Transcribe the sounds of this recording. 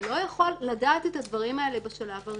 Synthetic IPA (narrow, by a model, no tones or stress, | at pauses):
lo̞jaχolːadaːt̪et̪had̪vɐʁimaelebaʃalava